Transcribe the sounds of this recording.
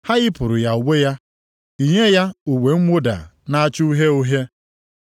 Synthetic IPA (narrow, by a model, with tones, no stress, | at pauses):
ha˦ɣɪ˦pʊ˨ɾʊ˨ja˨u˨ɡ͡bʷe˦ja˦ | i˨ɲe˦ja˦u˨wʷe˨ŋ̩˦ŋʷo˦da̰˨na˦a˦t͡ʃu˦u˦ɦe˦u˦ɦe˦